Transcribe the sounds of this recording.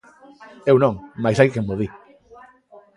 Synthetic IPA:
ewnõŋmajsajkemoði

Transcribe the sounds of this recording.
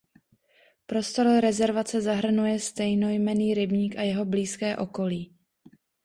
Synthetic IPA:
pɾo̞st̪o̞ɾɾɛzɛɾvat͡sɛzaɦr̩nujɛst̪ɛjno̞jmɛniːɾɪbɲiːkajɛɦo̞bliːskɛːʔo̞ko̞liː

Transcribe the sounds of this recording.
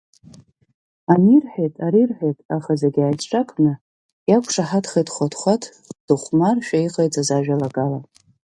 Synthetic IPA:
anirħejtʼaɾirħʷᶣejtʼaχazeɡʲajt͡sʰʈ͡ʂʰʼakʰʼnɨ | jakʷʰʂaħatχejtχʷatʰχʷatʰ | d̥ɨχʷmarʃᶣaiqʼajt͡sʼazaʒᶣalaɡala

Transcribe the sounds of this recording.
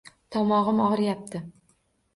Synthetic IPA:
t̪ʰɒmɒʁɨmɒʁɨɾjap̚t̪ʰɪ

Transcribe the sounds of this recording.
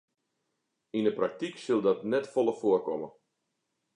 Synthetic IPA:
indəprak̚tiksəlˠdɔtnɛtfolˠəfʊərkɔmə

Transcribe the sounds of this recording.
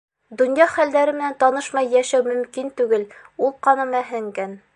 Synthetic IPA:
d̪ŏnjɑχæld̪æɾɘmɘ̆nænt̪ɒnɤʃmɑjːæʃæwmɵ̆mkint̪ʉɡɘlulˠqɒnɤ̆mæɦɘ̆ŋɡæn

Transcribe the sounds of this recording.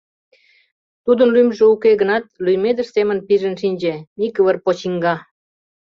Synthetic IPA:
t̪ud̪ə̆nlymʒĕukeɡənɑt̪̚lyjmed̪ə̆ʃsemə̆npiʒə̆nʃinʲd͡ʑĕnikəβərpot͡ɕiŋɡɑ

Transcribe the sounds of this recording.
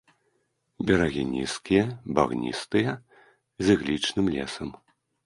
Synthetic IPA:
bʲɛɾaɣʲinʲḭskʲijɐba̰ɣnʲḭst̪ɨjɐ | zʲɨɣlʲit͡ʂnɨmlʲɛ̰sɐm

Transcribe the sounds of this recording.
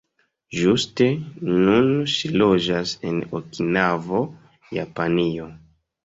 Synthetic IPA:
ʒuste̞nunʃilo̞d͡ʒase̞no̰kinavo̞ | japanio̞

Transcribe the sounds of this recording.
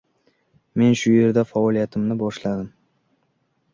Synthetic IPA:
me̞nʃʊje̞ɾd̪afaɒlijat̪ʰɪmnɪbɒʃlad̪ɪm

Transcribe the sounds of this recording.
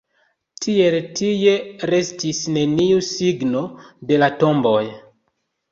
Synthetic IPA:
tʰie̞ltije̞ɾe̞stisne̞niusiɡno̞de̞lato̞mbo̞j

